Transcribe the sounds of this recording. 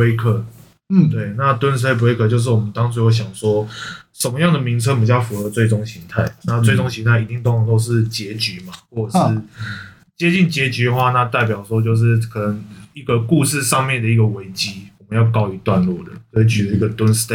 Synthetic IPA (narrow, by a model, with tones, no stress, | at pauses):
we˥ɪkʰə˥˩ | we˥˩ɪna˥˨t̪wə˦nsɨ˧t̪e˥˩p̬u˧we˥kʰɤ˥˧t͡ɕjo˥˧ʊʂ̬ɻ̩˥˩wɔ˨mə˦nt̪ɑ˥ŋt͡sʰwu˥jo˧˥˩ɕ̬jɑ˨˩ŋʂwɔ˥ʂə˧˦nmə˦jɑ˥˩ŋd̪ə˨˩mi˧˥ŋt͡sʰɤ˥pu˨˩ɕjɑ˥˩ʊfu˧˥xɤ˧t͡swe˥˩ɪʈ͡ʂo˥ŋɕi˧˥ŋt̪ʰa˥˩ɪna˥˧t͡swe˥˩ɪʈ͡ʂo˥ŋɕi˧˥ŋt̪ʰa˥˩ɪi˨˥t̪i˥˧ŋt̪o˥ŋ˨˩t̪o˥ʊʂɻ̩˥˩t͡ɕjɛ˧˥t͡ɕy˨˧˦ma˨xwɔ˥˩ə˨˩ʂɻɻ̩˥˩ | t͡ɕjɛ˥t͡ɕi˥˩nt͡ɕjɛ˧˦˥t͡ɕy˧˥d̪ə˨xwa˥˧na˥˧t̪a˥˩ɪp̬jɑ˨˩ʊʂwɔ˥t͡ɕjo˥˧ʊʂ̬ɻ̩˥˩kʰɤ˨˩nə˧˦ŋi˥ɡə˨ku˥˧ʂɻ̩˥˧ʂɑ˥˧ŋmjɛ˥˩nd̪ə˩i˥ɡə˩we˧˥ɪt͡ɕi˥wɔ˨mə̃˦njɑ˥˩ʊkɑ˥˧ʊy˧˨˥t̪wa˥˧nlwɔ̰˥˩d̪ə̰˩si˨˩t͡ɕʰy˨˥d̪ə˨˦i˥ɡə˨t̪wə˦ns̩˥t̪e˥˧˩